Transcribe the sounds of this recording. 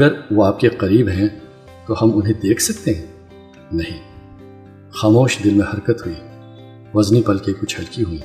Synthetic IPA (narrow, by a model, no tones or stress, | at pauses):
ɐɡəɾʋoaːp̚keqɐɾiːbɦɛ̃ | t̪ohɐmʊnɦẽd̪eːkʰsɐk̚t̪eɦɛ̃ː | nɐɦĩː | xaːmoːʃd̪ɪlmẽhɐɾkət̪ɦuiː | ʋɐznipɐlkekʊt͡ʃʰhɐlkiɦũĩ